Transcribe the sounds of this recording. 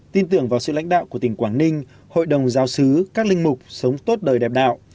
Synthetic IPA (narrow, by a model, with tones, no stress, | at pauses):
t̪i˧nt̪ɨ˧˩əŋvaː˨˩sɨ̰˧˨la̰˧˥ŋ̟ɗa̰ː˧˨wku˧˩ət̪ï˧˩ŋkwaː˧˩nnï˧ŋ̟ | ho̰˧˨jɗə˨˩wŋ͡mzaː˨˦wsɨ˨˦kaː˦˥k̚lï˧ŋ̟mʊ˨˩k͡p̚sə˨˦wŋ͡mt̪o˦˥t̚ɗəː˨˩jɗɛ˨˩p̚ɗa̰ː˧˨wʔ